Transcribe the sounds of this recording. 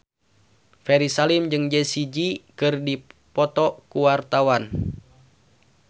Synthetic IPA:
fɛɾisalimd͡ʒɨŋd͡ʒɛsid͡ʒikɨrdipɔt̪ɔkuwart̪awan

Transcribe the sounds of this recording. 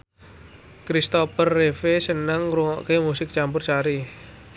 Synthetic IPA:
kɾist̪ɔpərːefesənəŋɾuŋɔ̰ʔkemusɪk̚t͡ʃampʊrt͡ʃaɾi

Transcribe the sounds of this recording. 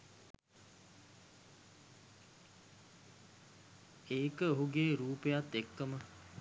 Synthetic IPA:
eːkəoɦuɡeːɾuːpəjat̪ːekːəmə

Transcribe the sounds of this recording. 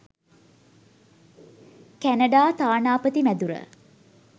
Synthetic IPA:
kænɐɖaːt̪aːnaːpət̪imæd̪uɾə̰

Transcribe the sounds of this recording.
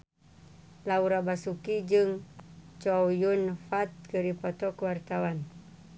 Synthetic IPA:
lauɾabasukid͡ʒɨŋt͡ʃojunfat̪̚kəɾipɔt̪ɔkəwart̪awan

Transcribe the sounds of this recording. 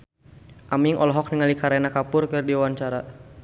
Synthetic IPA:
ʔamiŋʔɔ̰lɔɦɔk̚niŋalikaɾenakapʊrkɨrdiwaɲt͡ʃaɾa

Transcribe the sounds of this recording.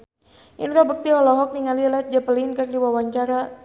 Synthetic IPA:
ʔinrɔbək̚t̪iɔlɔɦɔk̚niŋalilɛt̪̚d͡ʒapəlinkɨrdiwawaɲt͡ʃaɾa

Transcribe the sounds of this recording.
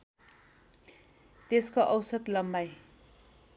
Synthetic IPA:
t̪eskoʔʌwsʌt̪lʌmbaj

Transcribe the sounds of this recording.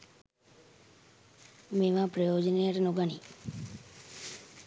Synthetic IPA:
meʋãpɾəjoːd͡ʒneəɾnoɡani

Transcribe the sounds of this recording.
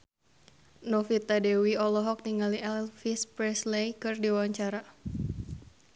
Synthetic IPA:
nɔfit̪adɛwiɔlɔɦɔk̚niŋaliʔɛlfispɾɛslejkɨrdiwaɲt͡ʃaɾa

